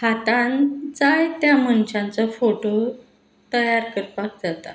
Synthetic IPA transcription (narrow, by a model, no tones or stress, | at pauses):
hat̪and͡zajt̪jamənɕãnt͡sɔfoʈo | t̪əjaɾkəɾpak̚d͡zat̪a̰